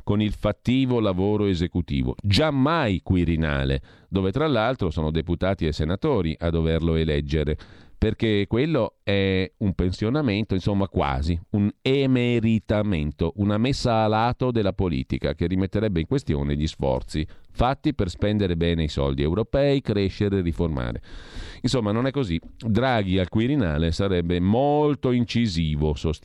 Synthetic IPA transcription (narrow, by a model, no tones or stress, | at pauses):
konilfat̪ːiːvolavoːɾoezekut̪ḭːvo̰d͡ʒamːajkwiɾina̰ːlḛd̪oːvet̪ɾalːalt̪ɾosoːnod̪eput̪aːt̪iesenat̪oːɾiʔad̪ːoverloelɛd͡ʒːeɾeperkekwelːoɛumpensjonament̪oinsomːakwa̰ːziunemeɾit̪ament̪oʔunamesːaːlaːt̪od̪elːapolḭːt̪ika̰kerːimet̪ːeɾɛbːeiŋkwest̪jo̰ːneʎisfɔ̰rt̪sifat̪ːiperspɛnd̪eɾebɛːneisɔ̰ld̪iewɾopɛikɾeʃːeɾeːriforma̰ːɾḛinsomːanonɛkːozid̪ɾaːɡialkwiɾina̰ːlesaɾɛbːemolt̪oint͡ʃiziːvosos